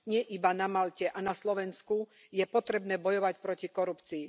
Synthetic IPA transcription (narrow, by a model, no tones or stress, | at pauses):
ɲɪɛʔibanamalcɛʔanaslɔʋɛnsku | jɛpɔt̪ɾɛbnɛːbɔjɔʋacpɾɔcikɔɾupt͡siː